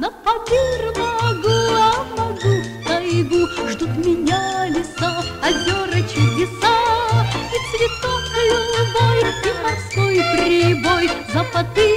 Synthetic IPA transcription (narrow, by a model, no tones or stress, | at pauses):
nɐpɐvʲirmɐɡuɐmɐɡu | t̪ɐjɡuʐd̪ot̪mʲɪnʲalʲɪsaɐzʲoɾət͡ɕɪlʲɪsa | it̪svʲɪt̪ofkʊjʊlbojimɐrskojt̪ɾʲɪbojzɐpɐt̪ɨ